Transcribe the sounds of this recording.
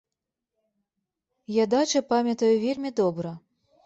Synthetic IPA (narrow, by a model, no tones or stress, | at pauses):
jad̪at͡ʃɐpamʲɐt̪ɐjuvʲelʲmʲid̪ɔbɾɐ